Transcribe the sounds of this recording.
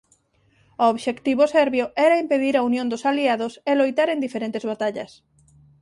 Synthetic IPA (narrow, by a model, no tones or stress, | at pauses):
ooβʃekt̪iβosɛɾβjoɛɾaimpeðiɾaunjõnd̪ʊsaliaðoselojt̪aɾẽnd̪ifeɾẽnt̪ezβat̪aʎɐ̰s